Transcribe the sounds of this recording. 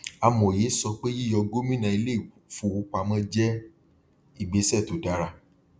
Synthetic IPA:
a˧mɔ̃˨je˨˦sɔ˧k͡pe˦ji˦jɔ˧ɡo˦mĩ˦nã˧˨i˧le˦i˦˨fu˧˨u˦k͡pa˧mã˦d͡ʒɛ˦ | i˦˨ɡ͡be˧˦sɛ˦˨to˨da˨ɾa˧˨

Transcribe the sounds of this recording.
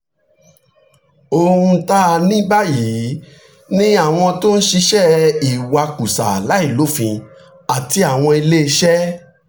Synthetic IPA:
o˧ũ˧ta˦˧nĩ˦ba˦ji˨˦ | nĩ˦a˦˨w̃ɔ̃˧to˦n̩˦ʃi˧ʃɛ˦i˨wa˧ku˨sa̰˨la˨˦i˦˨lo˨˦fĩ˧ | a˨ti˧a˨w̃ɔ̃˧i˧le˦e˧ʃɛ˦

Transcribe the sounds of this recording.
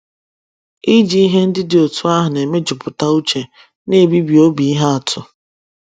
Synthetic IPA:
i˦d͡ʒi˦i˦ɦe˦n̩˦dɪ˦dɪ˨o˨tʊ˦a˦ɦʊ˨ne˨me˦d͡ʒʊ˨pʊ˨ta˦u˦t͡ʃe˨ | ne˦˨bi˦bi˨o˦bi˨i˦ɦa˦a˨tʰʊ˨

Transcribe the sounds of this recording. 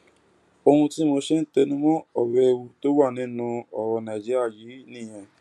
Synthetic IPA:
o˧hũ˧ti˦mo˧˦ʃe˦n̩˦te˧nũ˦mɔ̃˦ɔ˨wɛ˦e˧wu˧to˦wa˦˨nĩ˨˦nũ˧ɔ˨ɾɔ˧nã˨d͡ʒi˦ɾa˦˨ji˨˦nĩ˦˨j̃ɛ̃˧

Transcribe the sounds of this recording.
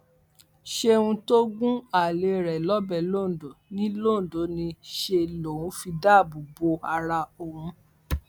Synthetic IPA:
ʃe˧ũ˧to˦ɡũ˦a˦˨le˨ɾɛ˨lɔ˨˦bɛ˨lo˦˨do˨˦nĩ˦lo˦˨do˨˦nĩ˧ʃe˧lo˨wũ˨˦fi˧da˦˨bo˨bo˧˦a˧ɾa˧o˨wũ˧

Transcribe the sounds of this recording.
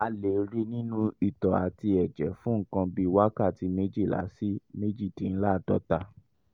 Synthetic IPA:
a˨le˨ɾi˦nĩ˦nũ˦i˨tɔ˨a̰˨ti˧ɛ˨d͡ʒɛ˨˦fũ˦ŋ̩˨kã˧bi˦wa˦ka˦˨ti˧˦me˦d͡ʒi˦˨la̰˨˦si˦me˦d͡ʒi˦˨tĩ˨˦n̩˦la˦˨dɔ̰˨˦ta˧

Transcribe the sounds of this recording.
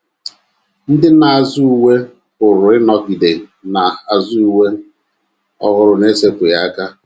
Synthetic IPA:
n̩˦dɪ˦na˨a˨zʊ˦u˨we˦ | ʊ˨ɾʊ˨ɪ˦nɔ˦ki˨de˨na˨a˨zu˦u˨we˦ | ɔ˦ɣʊ˨ɾʊ˨ne˦se˦kʷe˨ja˦ka˦

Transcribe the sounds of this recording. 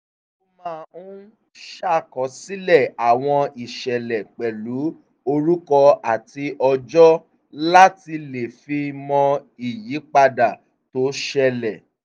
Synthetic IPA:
o˦˧mãː˦˨ũ˦ | ʃa˦˨kɔ̃˨˦si˦lɛ˦˨a˨w̃ɔ̃˧i˨ʃɛ˨lɛ˨k͡pɛ˨lu˨˦ | o˧ɾu˦kɔ˧a˨ti˧ʔɔ˧d͡ʒɔ˦ | la˦ti˧le˨fi˧mɔ̃˧ | i˨ji˨˦k͡pa˧da˨ | to˨˦ʃɛ˧lɛ˨

